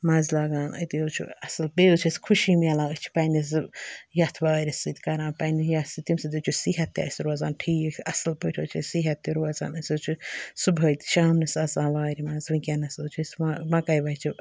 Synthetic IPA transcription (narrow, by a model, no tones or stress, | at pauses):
mãːzlaːɡaːnɐ̰t̪iot͡ʃʰṵɐsɨlbeːt͡ʃʰɐskʰuʃiːmɐlãːɨt͡ʃʰi̥pɐːnis̬jɐt̪ʰʋaːɾʲisɨt̪ʰʲkɐɾãːnpɐnijasɨt̪imsɐd̪ut͡ʃʰusiːɦɐt̪ːiɐ̰sɾoːzaːnʈʰiːɐsɨlpəʈʰoːt͡ʃʰɐsiːɦɐt̪ːiɾoːɐza̰ːnɐsʲoːt͡ʃʰusubʱɐt̪i̥ʃaːmnɐsɐzãːnʋaːɾimãːzʋɨ̃kʲɐnɐsoːt͡ʃʰɐsmamɐkɐjʋɐːt͡ʃʰi